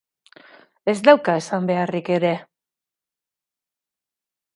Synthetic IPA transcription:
e̞zd̪awkae̞sambe̞arike̞ɾe̞

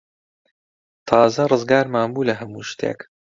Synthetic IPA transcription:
t̪ʰɑːzɐrɨzɡaːɾmaːnbuːlɐɦɐmuːʃt̪ʰḛːk

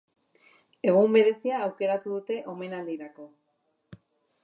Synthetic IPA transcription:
e̞ɣ̞umbe̞ɾe̞siaːwke̞ɾat̪uðut̪e̞ʔo̞me̞nald̪iɾako̞

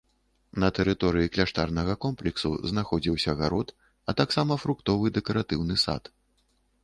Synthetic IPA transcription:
nɐt̪ɛɾɨt̪ɔɾɨjiklʲaʂt̪arnɐɣɐkɔmplʲɛksṵznaxɔd͡zʲiwsʲɐɣaɾɔt̪ | ɐt̪aksamɐfɾukt̪ɔvɨd̪ɛkɐɾat̪ɨwnɨsa̰t̪

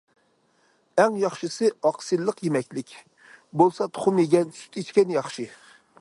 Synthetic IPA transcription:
ɛŋjɑχʃɨsɨɑqsɨlˠəqjemɛkʲlɪkʲ | bolˠsɑt̪ʰo̥χʊmeɡʲɛnsy̥t̪ʰit͡ʃkʲɛnjɑχʃɨ

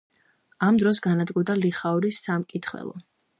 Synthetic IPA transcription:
amd̪ɾɔs̬ɡanad̪ɡud̪aliχauɾisːamkʼit̪ʰχwɛ̰lˠɔ̰

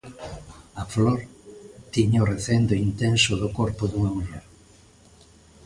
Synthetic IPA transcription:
ɐfloɾt̪iɲaoreθend̪oint̪ensʊðʊkoɾpʊðuŋamuɾoɾ

